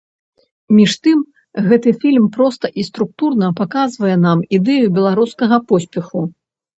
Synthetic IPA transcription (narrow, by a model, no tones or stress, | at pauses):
mʲiʂt̪ɨm | ɣɛt̪ɨfʲilʲmpɾɔst̪ɐʔist̪ɾuk̚t̪urnɐpakazvɐjɛnamid̪ɛjubʲɛlˠaɾuskɐɣɐpɔsʲpʲɛxu